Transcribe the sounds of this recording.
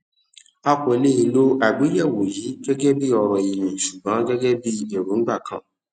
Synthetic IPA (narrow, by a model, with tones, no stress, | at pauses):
a˦kɔ˨˧le˦i˧lo˦a˨ɡ͡bi˨˦jɛ˦˨wo˨ji˨˦ɡɛ˦ɡɛ˦bi˦ɔ˧ɾɔ˨i˨mĩ˨ʃu˨ɡ͡bã˨˦ɡɛ˦ɡɛ˦bi˦e˦˨ɾũ˨˦ɡ͡ba˦˨kʰã̰˦˨